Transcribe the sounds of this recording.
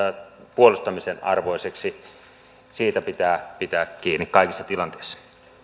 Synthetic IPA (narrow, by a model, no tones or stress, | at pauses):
puolust̪ɑmisenɑ̰rʋoiseksi | siːt̪æpit̪æːpit̪æːkkiːnːikkɑˑikisːɑt̪ilɑnt̪eisːɑ̥